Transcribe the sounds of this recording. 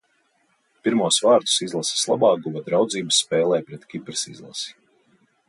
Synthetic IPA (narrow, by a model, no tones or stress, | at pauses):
piɾmuɔsvaːɾt̪u̥sizlˠasi̥slˠa̰bɑːɡuvad̪ɾawd̪ziːbsːpɛːlˠɛːjpɾɛt̪kʲipɾɨsḭzlˠa̰si̥